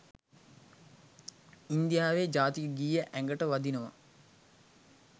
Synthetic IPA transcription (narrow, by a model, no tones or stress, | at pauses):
ind̪ijaːʋed͡ʒaːt̪iɡiːjəʔæŋɡəʈəʋad̪inəʋa̰